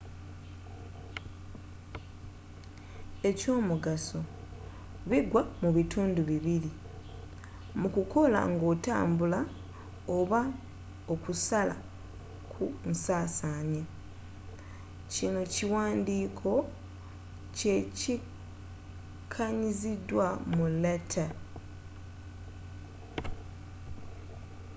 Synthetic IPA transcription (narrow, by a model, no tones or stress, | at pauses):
e̞co̞ːmuɡaso̞ | βiɡwamuβitʰuːnduβiβili | mukuko̞la̰ŋɡo̞ːta̰ːmbula | oβa | okusala̰ | kʰunsaːsaːɲe | cino̞ciwaːndiːkʰo̞ | ce̞ci | kʰaɲizidwamuletʰa